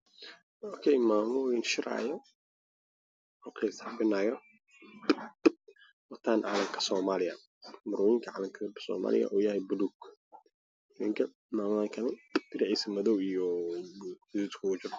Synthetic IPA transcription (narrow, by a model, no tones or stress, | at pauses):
ɔkʰɛjmaːmɔwɪnʃɪɾa̰ːjɔ | ɔkʰɛsafɪnaːjɔ | wɐt̪ʰaːnʕa̰lɐŋkʰɐ̥sɔːmaːlɪjɐ | mʊɾɔːjɪŋkʰɐʕalɐŋkʰɐbsɔ̰ːma̰ːlɪ̰jɐ̰ʔɔːjɐhɛjbʊðuɡ | mɪŋkʰɐ | maːmɐkʰɐnɐd̪̥ɪɾʕɛjsɐmɐðɔwijɔ | ɪdut̪kʰʊɡʊt͡ʃɪr